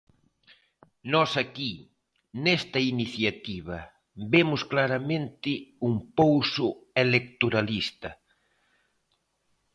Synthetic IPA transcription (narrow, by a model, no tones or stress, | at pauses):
nɔsaki | nɛst̪ɐiniθjat̪iβɐ | bemʊsklaɾamẽnt̪ɪuŋpowsʊelek̚t̪oɾalist̪ɐ